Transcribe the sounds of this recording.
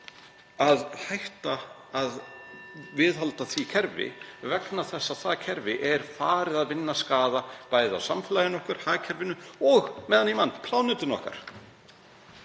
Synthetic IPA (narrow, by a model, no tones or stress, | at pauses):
aðhajht̪aː | ð | vɪðɦalt̪aθvicʰɛɾvɪ̰vɛknaθɛsːaθacʰɛɾvɪʔɛɾ̥faːɾɪðaðvɪnːaskaːðapaːjða̰wsamfɪlajɪnɔhkʏɾ̥haːcʰɛɾvɪnːʏɔɣmɛːðanimanːpʰlaːwnʏt̪ɪnɔ̰hka̰ɾ̥